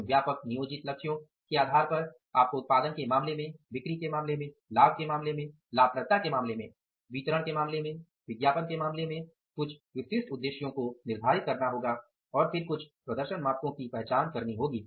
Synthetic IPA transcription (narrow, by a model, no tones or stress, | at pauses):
ʋjaːpəknijoːd͡ʒɪt̪lɐkʃjõ | kiaːd̪ʱaːɾpɐɾ | a̰ːp̚koʊt̪̚paːd̪ənkemaːmlemẽʋɪkɾikemãːmlemẽ | laːb̚ʱkemaːmlemẽ | laːbpɾət̪ːakemãːmlemẽ | ʋiːt͡ʃəɾəɽ̃kemãːmlemẽ | ʋɪɡjaːpənkemaːmlemẽ | kʊt͡ʃʰwɪsɪsʈʊd̪ːeːʃjõkonɪɾb̪ʱaːɾɪt̪̚kɐɾnaɦoːɡa | ɔːɾfɪɾkʊt͡ʃʰpɾɐd̪əɾʃənmaːtkõkipɛɦt͡ʃaːnkɐɾniɦoːɡiː